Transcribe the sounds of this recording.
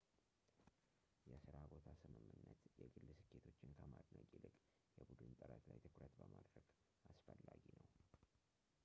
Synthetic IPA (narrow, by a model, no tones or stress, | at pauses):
jɛsɨɾabo̞t̪ʰasɨmɨmːɨnːət̪jɛɡɨlːɨsɨkʰːet̪ʰo̞t͡ʃːɪnkʰəmad̪nəkʼilɨkʼ | jɛbud̪ɨnt̪ʼɨɾət̪lajt̪ʰɨkɾət̪bəmad̪ɾəɡ̥ | asfəlːaɡinəw